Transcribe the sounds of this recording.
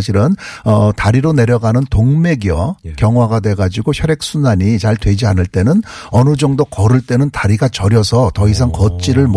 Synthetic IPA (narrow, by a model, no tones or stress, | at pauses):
ɕʰiɾɯnʌtaɾiɾone̞ɾjʌɡanɯntoŋme̞ɡiʌkjʌŋɦwaɡadwe̞ɡad͡ʑiɡoçʰjʌɾje̞k̚s͈ʰunaɲit͡ɕaɭtwe̞d͡ʑianɯɭt͈e̞nɯnʌnɯd͡ʑʌŋdokʌɾɯɭt͈e̞nɯntaɾiɡat͡ɕʌɾjʌsʰʌtʌis̬ʰaŋkʌt͡ɕ͈iɾɯɭmo